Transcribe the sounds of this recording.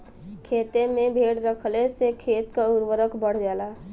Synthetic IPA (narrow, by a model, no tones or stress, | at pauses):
kʰeːt̪ẽmẽbʱeːɽɾəkʰlesekʰeːt̪kaʊɾwəɾəkʰbəɽ̤d͡ʒaːlaː